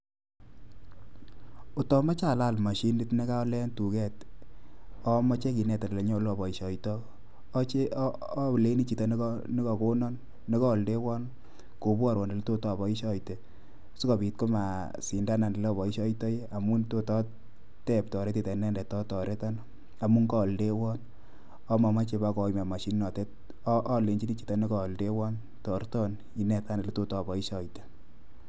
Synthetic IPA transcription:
o˨tɔ˦ma˦t͡ʃa˦˨la˦˨lma˨ʃi˦ndɪ˦tne˦ka˦ɔ˦lɛ˦ntu˨kɛ˦t | ɔ˦mɔ˦t͡ʃe˦k̬i˨nɛ˨ta˨lle˨ɲɔ˦o˦lo˦˨bɔ˨i˨ʃɔ˨itɔː˦ | t͡ʃe˦˨ | le˦ni˦t͡ʃi˨ta˨n˦ni˦kɔ˨ko˦nɔ˦nː | i˦kɔ˦˨lde˦wɔ˦n | ko˨bwa˦˨ɾwɔ˨nde˨lto˦tɔ˦˨bɔ˨i˦ʃɔ˦jte˨ | su˦ka˨bi˨t̚ko˦ma˨ | si˨nda˦na˨nde˨lːbɔ˨i˦ʃɔ˦jtɔ˦ja˨mu˦nto˦tɔ˦ | tɛ˦˨p̚tɔ˨ɾe˦te˨tɛ˨nɛ˦ndɛ˨tɔ˦tɔ˨ɾʔe˦ta˦n | a˨mu˦ŋkɔ˦˨lde˦wɔ˦n | ɔ˦ma˨ma˦t͡ʃe˧ba˦kɔ˨˦ma˨ma˨ʃi˦nnɔ˨te˦t̚ | ʔːle˨ɲi˦ni˦t͡ʃi̥˨tɔ˦ni˦kɔ˨lde˦wɔ˦n | tɔ˨ɾtɔ˦n | i˨nɛ˨ta˦ne˨le˦to˦tɔ˦˨bɔ˨i˦ʃɔ˨jte̥˨

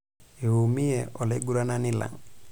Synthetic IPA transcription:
e˨u˨mi˦ɛ˨ʔɔ˨lɛ˦ɡu˦ɾa˦na˦ni˦la̰˨ŋ

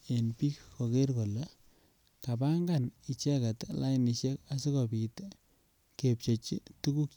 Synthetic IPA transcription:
e˨npi˦kko˨ke˦ɾko˨le˦ | ka˨ba˦ŋɡani˨t͡ʃɛ˦ka˨tla˦niʃe˦ka˦si˦kɔ˨pi˨t | ke˨p̚t͡ʃo˨t͡ʃi˦tu˦ku˦k

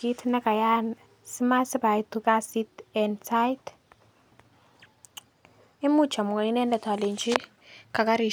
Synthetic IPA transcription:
i˦tʰnɛ˦kʼa˨ja˦n | si˦ma˦si˦ba˨it̪u˨kʼa˦si˦tɛnsʰa˦jtʰ | i˦mu̥˦t͡ʃʰa˨mu˨ka˨i˦nɛ˦ndɛ˨tʰa˨le˨nt͡ʃʰʼi˦ | ka˨k̬ʼa˦ɾi˨

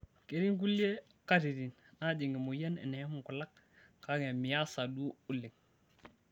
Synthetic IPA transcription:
ke˨ɾi˦ŋk̬u˦li˦e˦ | ka˦ti˨di˨n | na˦di˨ŋɡi˨mu˨je˦nḛ˨ne˨˦mu˨ku˨la˦k̚ | ka˦ɡe˨mi˨ja˦sa˨du˦u˦li˨k̚

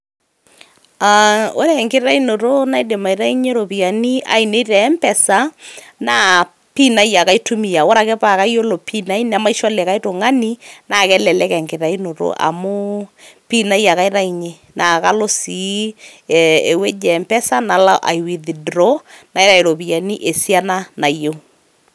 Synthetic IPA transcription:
a˨o˦ɾɛ˨ŋkɪ˦ɾa˦i˦no˨ɾo˦na˦jde˨ma˨i˨ɾa˦i˦ɲe˦ɾo˨pi˨ja˨ni˦ʔa̰˨i˨ne˦ɾɛ˨˦mpɛ˨sa˦naː˦ | pi˦na˦ja˨ka˦i˦tu˦mi˨a˨wɔ˦ɾa˨kɛ˦pa˨ka˦jjo˦lo˨pʰi˦na˦i˦na˨ma˦i˦ʃɔ˦lɛ˨ka˦i˦to˨ŋa˦ni˦na˨kɛ˦lɛ˨lɛ˦kɛ˨ŋkɪ˨ɾa˨i˦no˨ɾo̰˦ʔa̰˨mʊ˦pi˦na˦ja˨ka˦i˦ɾa˦i˨ɲe˦ | na˨ka˦lo˦si˨ | e˨we˦d͡ʒɛ˨mpɛ˦sa˦na˨la˦ʔa̰˨i˨wi˨ði˨dɾo˦na˨jɾa˨i˨ɾo˨pi˨a˨ni˦ʔe˨si˦a˦na˦na˨jo˦

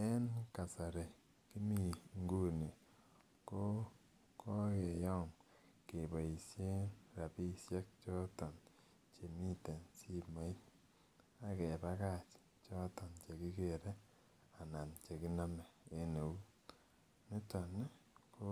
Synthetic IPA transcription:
e˦nka˨sa˨ɾe˨ | ki˦mi˨ŋɡo˦ne˨ | ko˦ | kʰɔ˦ke˨jɔ˦m | ke˨ba˨i˨sje˦nɾa˨pi˦sje˦k̚t͡ʃɔ˦tɔ˨n | t͡ʃe˨mi˦te˨nsi˦ma˦i˦n | a˨kɛ˨ba˦ka˦˨t͡ʃ | t͡ʃɔ˦tɔ˨nt͡ʃe˨ki˦ke˨ɾe˦ | a˨na˨nt͡ʃe˨ki˦na˦mɛ˨e˦ne˨u˦ | mɪ˦tɔ˨ne˦ko˦

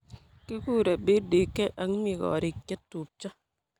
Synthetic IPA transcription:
ke˦ku˦ɾe˨be˦de˨ke˦ʔa˨˦ŋ˦mi˦˨kɔ̰˨ɾi˨ke˦tːu˨p̚t͡ʃɔ˦

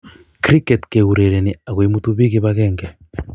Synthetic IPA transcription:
kɾi˦kɛ˨tke˨ɣu˨ɾe˨ɾe˨ni˨a˨ɣwi˦mu˦t̪uβi˦ɣi˦βaɣɛːŋɡɛ˨

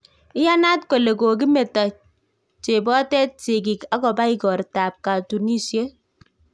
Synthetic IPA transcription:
ɪ˦ja˦na˦tko˨le˨ko˨k̬i˦me˨tɔ˨t͡ʃ̚ | t͡ʃe˨bɔ˦tɛ˦t̚t͡ʃe˨ki˨ka˦kɔ˨ba˦i˦kɔ˨ɾta˨p̚ka˨tu˨ni˦sje˦

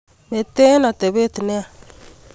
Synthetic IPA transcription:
me˨t̪e˦na˨t̪e˨βe˦t̪i˨ne˦a˨

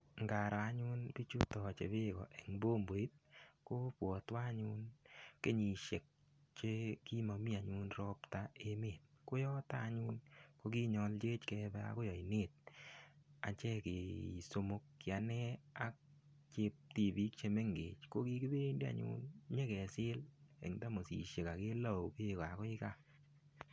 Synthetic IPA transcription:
ŋɡa˨ɾɔ˨a˨˦ɲʊ˦nbi˦t͡ʃu˦tɔ˨t͡ʃḛ˨bɪ˦˨ɡɔ̰˨ʔe˨ŋbo˦mbo˨i˦t̪̚ko˦pwɔ˨t̪wa˦ɲʊ˦nke˦ɲi˨ʃe˨k̚ | t͡ʃe˦ki˦ma˨mi˦a˨ɲʊ˦nɾɔ˦pta˦e˦me˨kʊ˦jɔ˦ta˦ɲʊ˦nko˦ɡi˦ɲɔ˨ld͡ʒe˦t͡ʃkɛ˦bɛ˦a̰˦kʊ˦jɔ˨i˨ne˦t̪̚ | a̰˨t͡ʃɛ˦ke˨so˧mo˦k̚kɪ˨a˨nɛ˦a˨˦k̚ | t͡ʃe˦p̚ti˨bi˦k̚t͡ʃe˧me˦ŋɡḛ˨t͡ʃko˦ki˦kɪ˦be˦nde˦a̰˨ɲʊ̰˦nɲe˦kɛ˨sɪ˦lḛ˨ŋda˦mo˨sḭ˨ʃe˨ka˨ke˦la˦˨wbe˦˨kɔ˨a˨kɔ˦ɪ˦ka˦

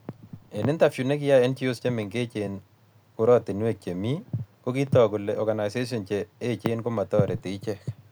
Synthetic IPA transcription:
e˨nɪ˦nta˨fju˨ne˦k̬ɪ˦ja˦ɛ˦nt͡ʃi˦o˦st͡ʃe˦mɪ˨ŋke˦t͡ʃe˨n | kʊ˨˦ɾɔ˦tɪ˨nwe˦˨k̚t͡ʃe˨mi˦ko˦ki˦tɔ˨kʊ˨le˨ɔ˨ɡa˨na˨ɪse˦s̬ɔ˨nt͡ʃeː˨˦t͡ʃe˦nkʊ˦ma˨tɔ˦ɾɛ˨tɪ˨ɪ˦t͡ʃɛ˦k

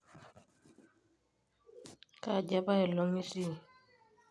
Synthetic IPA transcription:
ka˨ɟa˦ba˦ɛ˨lɔ˨˦ŋi˦si˦˨

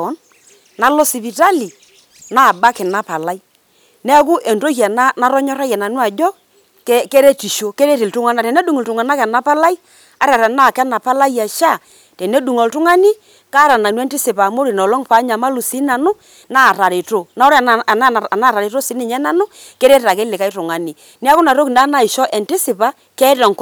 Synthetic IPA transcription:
ɔ˨˦n | na˨lɔ˦si˨βi˨ta˦li˨ | na˦˨ba˦kɛ˨na˦pa˨la˦i˦ | nɛ˦k̬u˦ʔe˨nto˦ha˨na˦na˨˦ɾɔ˦ɲɔ˦ɾa˦jɛ˨na˨nu˦a˨d͡ʒɔ˦ | kke˦ɾe˦ti˨ʃo˨ke˦ɾe˦ti˨ltʊ˦ŋa˦na˨tɛ˨nɛ˦du˨ŋ˨ltu˨ŋa˨na˦kɛ˨na˨˦pa˦la˦i˦ | a˦ɾa˨ɾa˨na˦˨kɛ˦na˨pa˦la˦ja˨ʃa˦˨ | tɛ˨ne˦du˨ŋo˨ltʊ˦ŋa˦ni˦ | ka˦ɾa˨na˨nwɛ˦nti˦sɪ˨pa˨mo˦ɾi˨nɔ˨lɔ˦ŋpa˨˦ɲa˨ma˦lu˨si˦na˨nʊ˦ | na˦˨ɾa˨ɾe˨to˦na˨˦ɔ˦ɾa˨˦˨ | na˦˨ɾa˨ɾe˨to˦si˨˦nɪ˨ɲɛ˦na˦nʊ˦ | kɛ˦ɾe˦ta˨kɛ˦lɪ˨ka˦i˦tʊ˨ŋa˨ni˨ | nɛ˦a˦kʊ˦na˨ɾo˦knda˨˦na˦˨ɪ˨ʃɔ˦ʔɛ˨nti˦sɪ˨pa˦ | kɛ˦tɛ˨ŋ˨k

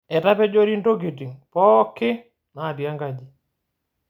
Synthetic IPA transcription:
ɛ˨ta˦pɛ˦d͡ʒo˦ɾi˦ndo˦ɡ̬i˨ti˨ŋpɔ˦kːɪ˦ | na˨di˨a˦ŋɡa˨d͡ʒi˨

